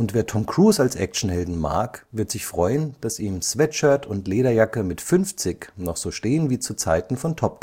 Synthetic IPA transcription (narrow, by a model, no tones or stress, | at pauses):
ʊntv̥eːɐtʰɔmkʁ̥uːsalsʔɛ̰k̚t͡ʃn̩hɛldn̩ma̰ɐkvɪɐtz̥ɪçfʁ̥ɔʏənd̥asʔiːmsv̥ɛt͡ʃətʰʊntleːɾɐjakəmɪtfʏnft͡sɪknɔχz̥oːʃteːənviːt͡sut͡saɪtn̩fɔntʰɔp̚